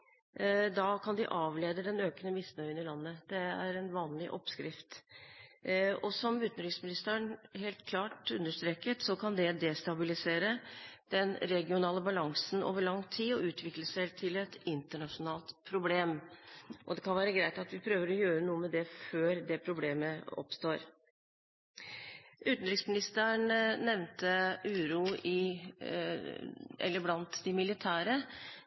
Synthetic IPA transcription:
d̪ɑkʰɑnd̪ɪʔɑːʋleːd̪əd̪ɛnøːkənəmɪsnœʏənɪlɑnːəd̪̥ɛæ̰ɾɛnʋɑːnlɪ̰ʔɔpskɾɪft̪ | ɔsɔmʉːt̪n̩ɾɪsmɪnɪst̪əəɳɦeːlt̪kʰlɑːʈʉnd̪əʂt̪ɾeːkət̪sɔkʰɑnd̪ɛd̪ɛst̪ɑbɪlɪseːɾəd̪̥ɛnɾɛɡɪʊnɑːləbɑlɑŋsən̩ʔo̰ːʋəɭɑŋːt̪ʰiːɔʔʉːt̪ʰʋɪkləsæɪt̪ʰɪlɛt̪ɪnt̪əɳɑʂʊnɑːlt̪pʰɾʊbleːm | ʔɔd̪ɛkʰɑnʋæːɾəɡɾæɪt̪ɑt̪ʋɪpʰɾøːʋəɾɔjøːɾənuːəmɛd̪ɛføːɾd̪ɛpʰɾʊbleːməɔ̰pst̪oːɾ | ʔʉːt̪n̩ɾɪksmɪnɪst̪əɳnɛʋnt̪əʉːɾuːɪ | ʔɛ̰lːəblɑnt̪d̪ɪmɪlɪt̪ʰæːɾə

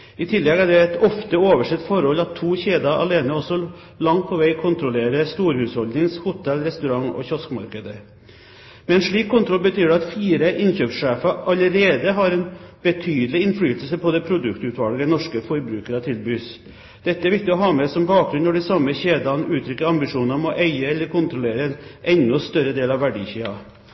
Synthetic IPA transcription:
ɪt̪ʰɪlːɛɡæɖɛɛt̪ɔft̪əoːʋəʂɛt̪ːfɔɾhɔlːɑt̪ʰːuːçeːd̪ɑʔɑ̰leːnəɔsːɔ | lɑŋt̪̚pʰɔʋæɪkʰʊnt̪ɾʊleːɾəst̪uːɾhʉːshɔld̪ɪŋshʊt̪ʰɛlɾɛst̪ʉɾɑŋɔ̰çɔskmɑ̰ɾkəd̪ə | mɛɛnʂɭiːkʰːʊnt̪ʰɾɔlbət̪ʰyːɖɛɑt̪fiːɾəʔɪnçøːpʂeːfɑʔɑləɾeːd̪əɦɑɾɛnb̥ət̪ʰyːd̪əlɪɪnfɽyːt̪əl̩səpʰɔd̪ɛpʰɾʊd̪ʉkt̪ʉt̪ʰʋɑlɡəɛnɔʂkəfɔɾbɾʉːkəɾət̪ʰɪlbyːs | d̪̥ɛt̪ːəɛæɾʋɪk̚t̪ɪɔɦɑːmɛsɔmbɑːk̚ɡɾʉnɔɖɪsɑmːəçeːd̪ɑnʉːt̪ʰɾʏkːəɾɑmbɪʂuːnɑmɔʔæɪəɛlːəɾkʰʊnt̪ɾʊleːɾəɛnʔɛnːʊst̪œɾəd̪eːlɑʋʋæɖḭːçeːɑ

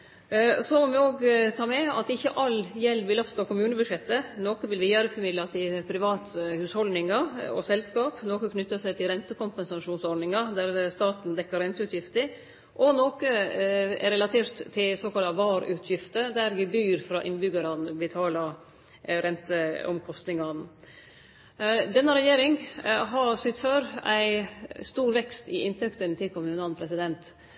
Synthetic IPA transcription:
sɔmɔʋɪoːɡt̪ʰɑːmɛɑ̰t̪ɪçːəʔɑljɛlːʋɪlɑpst̪oːkʊmʉːnəbʉd̪ʂɛt̪ːənoːkəʋɪlʋɪjøːɾəfɔɾmɪd̪lɑt̪ʰɪlpʰɾɪʋɑːt̪hʉːshɔld̪nɪŋɑɔ̰sɛlskɑːpnoːkəkʰnʏt̪ːəsæɪt̪ʰɪlɾɛnt̪əkʊmpɛnsɑʂuːnsɔɾɖnɪŋɑd̪æɾst̪ɑːt̪n̩d̪ɛkːəɾɛnt̪əʉːt̪ʰjɪft̪ə | ʔɔnoːkəɛ̰ɾɛlɑt̪ʰeːɾt̪ʰːɪlsoːkɑlt̪ɑʋɑːɾʉːt̪ʰjɪft̪əd̪æɾʋɪbyːɾfɾɑːʔɪnbʏɡɑɾɑnbət̪ʰɑːlɑ | ɾɛnt̪əɔ̰mkʰɔst̪nɪŋɑn | d̪ɛnːəɾɛjeːɾɪŋɦɑɾsyːt̪føːɾæɪst̪uːɾʋɛkst̪ɪ̰ʔɪnt̪ʰɛkt̪ənt̪ʰɪlkʰʊmʉːnɑnpʰɾɛsɪd̪ɛnt̪

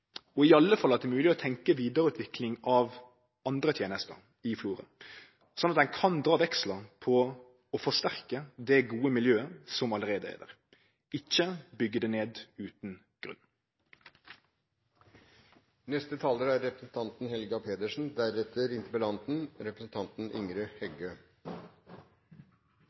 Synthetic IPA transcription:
ɔɪɑlːəfɑlːɑt̪̚d̪ɛmʉːlɪɔt̪ʰɛŋkəʋiːd̪əɾʉːt̪ʰʋɪklɪŋɑʋ | ɑnd̪ɾət̪ʰjeːnəst̪ə̰ | ɪfluːɾə̰ | sɔnːɑt̪̚d̪ɛnkʰɑnd̪ɾɑːʋɛkslɑpʰɔ | ɔfɔʂt̪æʁkəd̪ɛɡuːəmɪljøːəsɔmɑləɾeːd̪əɛ̰ːd̪ə̰ʁ | ɪçːəbʏɡːəd̪ɛneːd̪ʉːt̪n | ɡ̥ʁʉ̰nː | nɛst̪ət̪ʰɑːləɾæɾɾɛpɾəsn̩t̪ʰɑnt̪n̩hɛlɡɑpʰeːd̪əʂn̩d̪æɾɛt̪əɾɪnt̪əpəlɑnt̪n̩ɾɛpɾəsn̩t̪ʰɑnt̪n̩ʔɪ̰ŋɾəhɛɡø

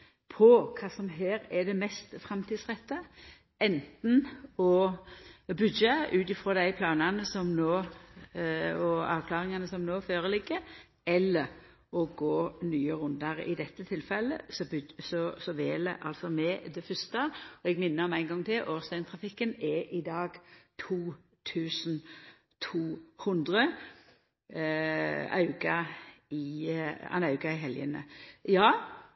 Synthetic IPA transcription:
pʰɔkʰɑːsɔmɦeːɾɛd̪ɛmɛst̪fɾɑmt̪iːd̪sʁɛt̪ːə | ɛnt̪n̩ɔ | bʉd̪əʉːt̪ɪfɾɔd̪æɪpʰlɑːnɑnəsɔmnoː | ɔɑːʋkʰlɑːɾɪŋɑnəsɔmnoːføːɾəlɪɡːə | ɛlːəɾ | ɔɡoːnyːəɾʉnd̪ɑɾ̰ɪ̰d̪ɛt̪ːət̪ʰɪlfɛlːə̰sɔbsɔsɔʋeːlə̰ʔɑ̰lt̪sɔmɛd̪ɛfʏst̪ɑɔɛɡmɪnːəɔmæɪnɡɔŋːt̪ʰɪlʔoːʁst̪æɪnt̪ʰʁɑfɪkːənɛʔɪd̪ɑːɡt̪ʰuː | t̪ʰʉːsn̩ | t̪ʰuːhʊnd̪ʁə | ɑ̰ʉɡɑɪɑ̰nɑʉɡɑɪɦɛljə̰nə̰jɑː

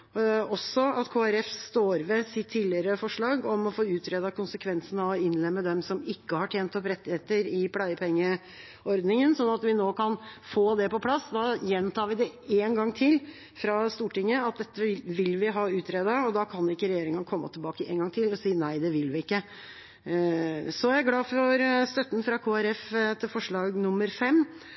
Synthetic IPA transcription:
ɔsɔɑt̪kʰoːæɾɛfst̪oːɾʋɛsɪt̪ʰːiːlɪəɾəfɔʂɭɑːɡɔmɔfoːʉːt̪ʰɾeːd̪ɑkʊnsəkʰʋɛnsənɑɔɪnlɛmːəd̪ɛmsɔmɪkːəhɑʈʰjeːnt̪ɔpɾɛt̪ːɪheːt̪əɾɪpʰlæɪəpʰɛŋjə | ɔɾd̪nɪŋənsɔnːɑt̪ʋɪnoːkʰɑnfoːd̪ɛpɔpʰlɑsːd̪ɑjɛnt̪ʰɑːʋɪd̪ɛeːnɡɑŋːt̪ʰɪl | fɾɑst̪uːʈɪŋːəɑt̪̚d̪ɛt̪ːəʋɪlʋɪɦɑːʉːt̪ʰɾeːd̪əɔd̪ɑkʰɑnɪkːəɾɛjeːɾɪŋənkʰɔmːə̰t̪ʰɪlbɑːkəḛːnɡɑŋt̪ʰɪlɔsiːnæɪd̪ɛʋɪlʋɪɪkːə | sɔæɾɡlɑːfɔɾst̪œt̪ːn̩fɾɑkʰoːæɾɛft̪ʰɪlfɔʂɭɑːɡnʊmːəɾfɛmː

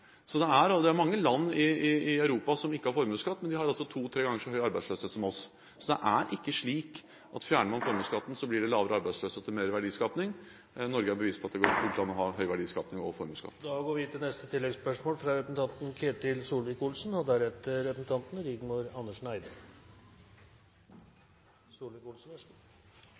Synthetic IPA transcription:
sɔd̪ɛæɾd̪ɛæɾmɑŋːəlɑnːɪɪɪœʉɾuːpɑsɔmɪkːəhɑɾfɔɾmʉːskɑt̪ːmɛnd̪ɪhɑɾɑlsɔt̪ʰuːt̪ʰɾeːɡɑŋːəʂɔɦœʏɑɾbæɪd̪sløːsøːt̪sɔmɔs | sɔd̪ɛʔæɾʔɪkːəʂɭiːk | ʔɑt̪fjæːɳəmɑnfɔɾmʉːskɑt̪ːn̩sɔblɪɖɛlɑːʋəɾəɑɾbæɪsløːsət̪ʰːɪlmeːɾʋæɖiːskɑːpnɪŋ | nɔɾɡəæbəʋiːspʰɔɑt̪̚d̪ɛɡɔɾk̪ʰʉt̪ɑnɔɦɑɦœʏʋæɖiːskɑːpnɪŋɔfɔɾmʉːskɑ̰t̪ːd̪ɑɡoːɾʋɪt̪ʰːɪlnɛst̪ət̪ʰɪlːɛɡspœʂmoːlfɾɑɾɛpəsn̩t̪ɑnt̪n̩kʰeːt̪ɪlsuːlʋɪkulsnhɔd̪æɾɛt̪əɾɛpəsn̩t̪ʰɑnt̪n̩ɾɪɡ̪mʊɾɑnːəʂɳæɪd̪ə | suːlʋɪkulsn̩

